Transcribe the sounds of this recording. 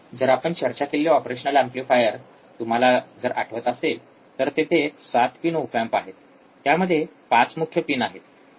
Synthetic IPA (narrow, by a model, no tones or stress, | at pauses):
d͡zəɾapəɳt͡ɕəɾt͡ɕakiljoɔpɾeɕənəlamplifajəɾ | t̪um̤alad͡zəɾʔa̰ʈʰəʋət̪əsel | t̪əɾt̪et̪ʰesat̪pinowfampaɦet̪ː | jaməd̪ʱːjepãt͡smukʰjəpinaɦet̪